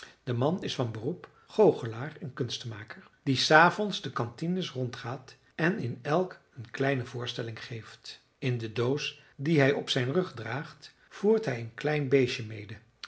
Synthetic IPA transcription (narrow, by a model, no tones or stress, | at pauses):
d̥əmɑnɪsfɑnbərup | χowχəlaːrənkɵnstmaːkəɹd̥isaːvɔnzdəkɑntinəsrɔntχaːt | ɛnɪnɛlˠk | ənklɛjnəvʊːɹstɛlɪŋχejft | ɪndədows | diɦɛjɔpsɛjnrɵχdraːχt | v̥uːɹtɦɛjənklɛjnbejʃəmejdə